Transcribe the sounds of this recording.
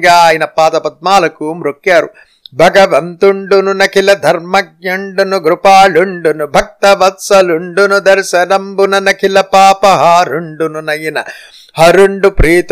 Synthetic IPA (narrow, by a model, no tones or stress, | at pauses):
ɡaːjinɐpːaːt̪ɐpɐd̪̚maːlɐkuːmɾukjɐːɾu | bʱɐɡɐʋɐmt̪uɳɖununɐkʰilɐd̪ʱɐɾmɐɡ̚ɲɐɳɖunuɡɾupaːɭuɳɖunubʱɐk̚t̪ɐʋɐt̪sɐluɳɖunud̪ɐɾsɐnɐmbunɐnɐkʰilɐpaːpɐɦaɾuɳɖununɐjinɐ̰ | hɐɾuɳɖupɾiːt̪